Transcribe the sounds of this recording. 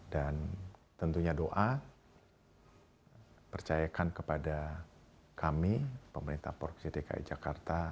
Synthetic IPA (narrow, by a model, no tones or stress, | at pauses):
dant̪ənt̪uɲadoʔa | pərt͡ʃajakankəpada | kʰamipəməɾint̪ahpɔ̰rksideka̰ʔḭd͡ʒakart̪a